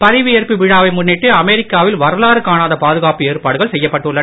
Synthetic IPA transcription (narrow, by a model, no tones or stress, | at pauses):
pɐðɪʋɯerpiʋɪɻaːʋɐɪmʊnːɪʈːɯɐmɛɾɪkːaːʋɪlʋɐɾɐlaːɾɯkaːnaːðɐpaːðɯɣaːpɯeːɾpaːɽɯɣɐɭsɛjːɐpːɐʈːɯɭːɐn